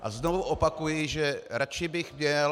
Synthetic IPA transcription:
ʔa̰znovuʔopakujɪʒɛɾat͡ʃɪbɪxmɲɛ

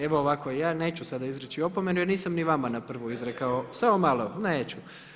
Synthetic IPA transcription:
e̞ʋoːʋakojaːne̞ːt͡ʃusad̪aizɾet͡ɕio̞pome̞nujeniːsamniʋamanapr̩ʋoizɾekaosaomaloneːt͡ɕu

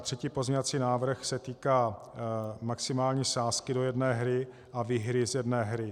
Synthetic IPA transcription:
t̪r̝̥ɛciːpo̞zɲɛvat͡siːnaːvr̩xsɛt̪iːkaː | maksɪmaːlɲiːsaːskɪdo̞jɛdnɛːɦɾɪ | ʔaviːɦɾɪzjɛdnɛːɦɾɪ

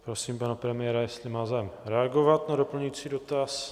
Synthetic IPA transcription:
pɾosiːmpanapɾɛmɪɛɾajɛst̪lɪmaːzɛmɾɛaɡovat̪nadopl̩ɲuit͡siːdot̪as

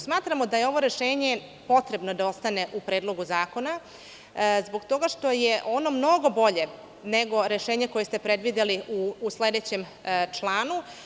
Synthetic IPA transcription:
smaːt̪ɾamo̞d̪ajeo̞ʋo̞ɾe̞ʃeːɲe̞ | po̞t̪ɾe̞bno̞d̪ao̞st̪ane̞ʔupɾe̞ːd̪lˠo̞ɡuzaːko̞na | zbo̞ɡt̪o̞ɡaʃt̪o̞jeʔo̞no̞mno̞ɡo̞bo̞ʎe | neɡo̞ɾe̞ʃeːɲeko̞jest̪epɾe̞d̪ʋid̪eliuːsled̪e̞t͡ɕem | t͡ʂlˠaːnu

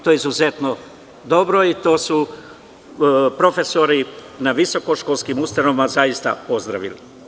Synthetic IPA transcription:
t̪ojizuzet̪no | d̪o̞bɾoit̪o̞ːsu | pɾo̞fe̞so̞ɾi | naʋiso̞koʃkoːlskimust̪anoʋimazajist̪a̰po̞zd̪ɾa̰ʋili

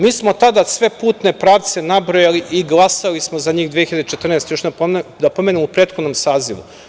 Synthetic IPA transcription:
miːsmo̞t̪ad̪asʋe̞puːt̪ne̞pɾaːʋt̪se̞nabɾojaliʔiɡlˠasalismozaɲiːxd̪ʋieçiʎad̪et͡ʃe̞t̪r̩nest̪joʃapd̪apo̞menemupɾeːt̪xo̞d̪no̞msaːziʋṵ

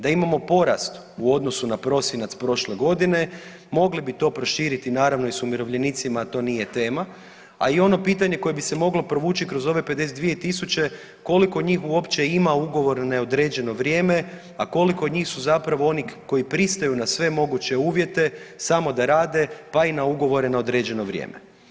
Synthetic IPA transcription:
d̪aimamo̞po̞ɾa̰st̪ | uo̞d̪no̞sunapɾo̞sjenat̪spɾo̞ʃle̞ɡo̞d̪ine̞ | mo̞ɡlibit̪o̞ːpɾo̞ʃiːɾit̪inaːɾaʋno̞isumiɾo̞ʋʎe̞nit̪simat̪o̞ːnije̞t̪e̞ːma | a̰io̞no̞piːt̪aɲe̞ko̞jebise̞mo̞ɡlo̞pɾo̞ʋuːt͡ɕikɾo̞zo̞ʋe̞pe̞d̪e̞sed̪ʋijet̪isut͡ɕe̞ | ko̞liko̞d̪ɲiːxuo̞pt͡ɕe̞imauɡo̞ʋo̞ɾnaod̪ɾe̞ːd͡ʒe̞no̞ʋɾje̞ːme̞ | ako̞liko̞d̪ɲiːxsuzapɾaʋo̞o̞nikːo̞jipɾist̪ajunasʋe̞mo̞ɡut͡ɕe̞uːʋje̞t̪e̞samo̞d̪aɾaːd̪e̞painauɡo̞ʋo̞ɾenao̞d̪ɾe̞ːd͡ʑe̞no̞ʋɾʲjḛːmḛ

